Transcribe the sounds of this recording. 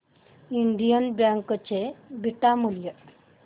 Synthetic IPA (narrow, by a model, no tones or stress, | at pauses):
iɳɖijənbjaŋkət͡ɕebʱiʈamuljə